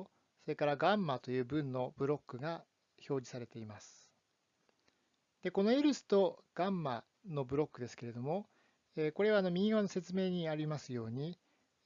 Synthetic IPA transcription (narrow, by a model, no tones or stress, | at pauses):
so̞ɾe̞kaɾaɡãmːat̪o̞jɯ̟ːbɯ̟̃nːo̞bɯ̟ɾo̞kːɯ̟ɡa | ço̞ːd͡ʑisaɾe̞t̪e̞imasɨ̥ | d̪̥e̞ko̞no̞iɾɯ̟sɨ̥t̪o̞ɡ̥ãmːa | no̞bɯ̟ɾo̞kːɯ̟d̪e̞sɨ̥ke̞ɾe̞d̪omo̞ | eko̞ɾe̞βano̞mʲiiɡaβanose̞t͡sɨme̞ːɲ̟iaɾʲimasɨjo̞ːɲ̟i